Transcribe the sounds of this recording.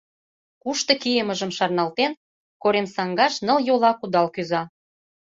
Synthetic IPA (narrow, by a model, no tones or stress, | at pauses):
kuʃt̪ɤ̆kijəmə̆ʒə̆mʃɑrnɑlt̪en | koɾemsɑŋɡɑʃnɤ̆ljolɑkud̪ɑlkyzɑ